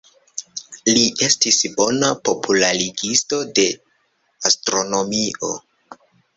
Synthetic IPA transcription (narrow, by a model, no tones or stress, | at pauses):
liʔe̞stisbo̞napo̞pʰulaɾiɡisto̞de̞ | astɾo̞no̞mio̞